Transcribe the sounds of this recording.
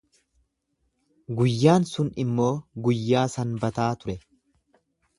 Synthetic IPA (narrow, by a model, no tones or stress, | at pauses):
ɡʊjːaːnsʊnɪmːo̞ːɡʊjːaːsɐnbɐt̪aːt̪ʊɾɛ